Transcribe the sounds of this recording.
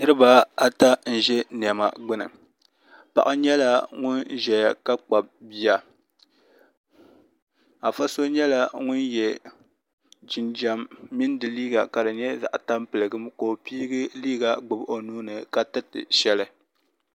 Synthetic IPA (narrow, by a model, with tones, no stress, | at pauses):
nɨ˦ɾɨ˦ba˦a˨ta˦n̩˨ʒɛ˦n˨ɛ˨ma̰˨ɡ͡bɨ˦nɨ̰˨ | pa̰˨ʔa˦ɲɛ˦la˦ŋʊ˦nʒɛ˨ja˨ka˦k͡pa˨b̚bi˦ja˨ | a˨fa˦so˦ɲɛ˦la˦ŋʊ˦njɛ˨ | d͡ʒɪ˨nd͡ʒa˦mːi˦ndɨ˨liː˦ɡa˨ka˨dɨ˨ɲɛ˦za̰˨ʔta˦mpɨ˨lɨ˨ɡɨ˦mko˨piː˦ɡɨ˦liː˦ɡa˨ɡ͡bɨ˨bo˨nuː˦nɨ˨ka˨tɨ˦tɨ̰˨ʃɛ˦lɨ˦